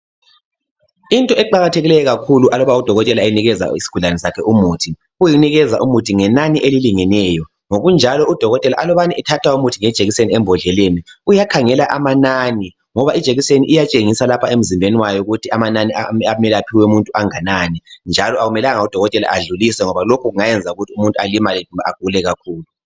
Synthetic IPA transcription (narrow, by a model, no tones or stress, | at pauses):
intʼɔɛǃaɣatʰeɣilɛjɔɣakʰuluʔalɔβaud̥ʱɔɣɔtʼɛlaejiniɣɛza̰isi̥ɡ̥ʱuɮanɛsakʰɛʔumuːtʰi | ujiniɣɛzaʔumutʰiŋɛnaniʔeliliŋɛnɛːjɔ | ŋoɣund͡ʒʱalɔud̥ʱɔɣɔtʼɛlaʔalɔβaniʔɛtʰatʰwaumutʰiŋɛd̥ʒ̥ʱeɣiseniɛmbʱɔɮɛleniujakʰaŋɛlaʔamanani | ŋɔβaʔid̥ʒ̥ʱeɣiseniʔijat͡ʃʼeŋisalapʰaem̩zimbʱeniwajɔuɣutʰiamananiaamɛlɛapʰiwɛumuntʼuaŋanaːnind͡ʒʱalɔaɣumɛlaŋaud̥ʱɔɣɔtʼɛla̰ʔaɮulisɛŋɔβalokʰuɣuŋajɛnd͡zʱauɣutʰiumuntʼualimalia̰ɡ̥ʱulɛɣakʰuːlu